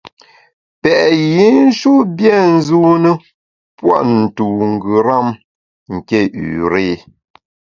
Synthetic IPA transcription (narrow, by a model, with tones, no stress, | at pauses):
pɛ˨ʔji˨˦n̩˦ʃu˦bjɛ˦˨n̩˦zu˦nə˦ | pwa̰˦˨ʔn̩˨tu˨ŋ˨ɡʉ˨ɾa˦˨m | ŋ̩˨ke˦˨ʔʉ̰ː˨ɾe˦˨